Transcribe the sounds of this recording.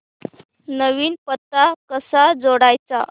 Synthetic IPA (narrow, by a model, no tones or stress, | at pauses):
nəʋiːnpət̪ːakəsad͡zoɽajt͡sa̰